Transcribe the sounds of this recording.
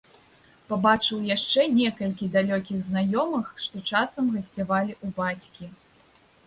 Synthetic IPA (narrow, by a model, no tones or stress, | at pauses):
pabat͡ʂɨwjaʂt͡ʂɛnʲɛkɐlʲkʲid̪alʲɔkʲiɣznajɔmɨxʂt̪ɔt͡ʂasɐmɣɐsʲt͡sʲavalʲiʔubat͡sʲkʲi